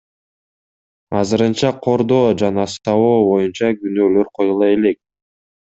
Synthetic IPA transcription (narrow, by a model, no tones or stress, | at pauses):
ɑzɯɾɯnt͡ʃɑqʰo̞ɾd̪o̞ːd͡ʒɑnɑst̪ɑwoːbo̞junt͡ʃɑɡynøːløɾqʰo̞julˠɑe̞le̞k̚